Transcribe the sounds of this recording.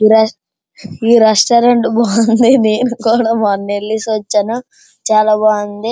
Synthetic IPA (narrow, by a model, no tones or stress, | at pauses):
iɾ | iːɾesʈɐɾeɳʈbɔːɐnd̪ineːnukuːɽaːmɐnːelːisʋɐt͡ʃːɐnu | t͡ʃaːlaːbaːnɐnd̪i